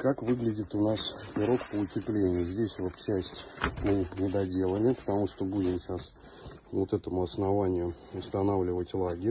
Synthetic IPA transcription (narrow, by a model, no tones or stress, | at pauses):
kakvɨɡlʲɪdʲɪt̪ʊnasʲɪɾo̞kpəʊtʲɪplʲenʲɪjʊzʲdʲesʲvot̪t͡ɕæsʲtʲmɨnʲɪd̪ɐdʲe̞lˠəlʲɪpə̥t̪ɐmuʂt̪obudʲɪmɕas | vot̪ɛt̪əmʊɐsnɐvanʲɪjʊ | ʊst̪ɐnavlʲɪvətʲlˠaɡʲɪɾʲ